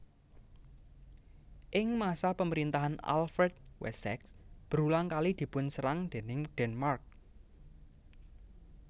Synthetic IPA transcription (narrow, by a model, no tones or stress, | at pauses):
ʔɪŋmasapəməɾint̪aɦana̰lfɾɛt̪̚wɛ̰sɛksb̥əɾulaŋkalid̪̥i̤pʊnsəɾaŋd̪̥e̤nɪŋd̪̥ɛnmark̚